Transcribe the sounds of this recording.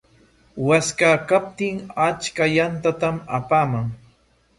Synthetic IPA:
waskakap̚t̪ɪŋat͡ʃkajant̪at̪ama̰paːmaŋ

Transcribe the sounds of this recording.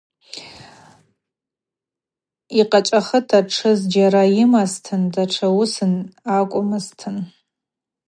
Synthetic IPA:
iqʼat͡ʃʼaχətʰaʈ͡ʂʰɨzd͡ʒaɾajɪmaztʰɨndaʈ͡ʂʰawusɨnakʷʼʊmɨztʰɨn

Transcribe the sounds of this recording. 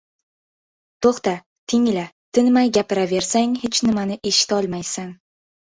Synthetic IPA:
t̪ʰoχt̪a | t̪ʰɪŋlat̪ʰɪnmajɡʲapɪɾave̞ɾsaŋhet͡ʃnɪmanɪʔe̞ʃɪ̥t̪ɒlˠmajsan

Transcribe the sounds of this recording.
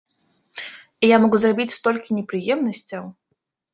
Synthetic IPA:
ijamɔɡuzrabʲit͡sʲst̪ɔlʲkʲinʲɛpɾɨjɛmnɐsʲt͡sʲɐw

